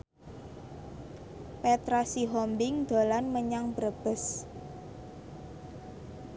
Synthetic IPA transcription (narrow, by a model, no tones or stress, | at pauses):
pɛt̪ɾasiɦɔmbɪŋd̪̥o̤lanməɲaŋbɾəb̥əs